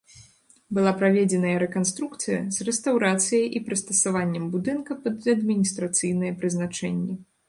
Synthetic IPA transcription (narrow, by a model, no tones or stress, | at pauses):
bɨlˠapɾavʲed͡zʲɛnɐjɐɾɛkanst̪ɾukt̪sɨjɐ̰zrɛst̪awɾat̪sɨjɐjʔipɾɨst̪ɐsavanʲːɛmbud̪ɨnkɐpɐd̪ɐd̪mʲinʲist̪ɾat̪sɨjn̪ɐjɐpɾɨznat͡ʂɛnʲːɛ